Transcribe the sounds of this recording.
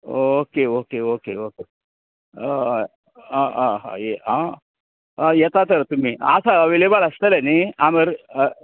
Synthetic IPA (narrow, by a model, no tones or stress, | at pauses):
okeokeokeoke | ɦãɦã̰jeɦã | jɛt̪at̪əɾt̪um̤iːa̰saəʋilebələst̪əleniaməɾ